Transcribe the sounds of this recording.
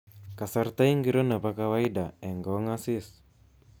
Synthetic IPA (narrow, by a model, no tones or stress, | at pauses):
kasart̪aiŋɡiɾonapakawaidaɛŋɡɔŋasis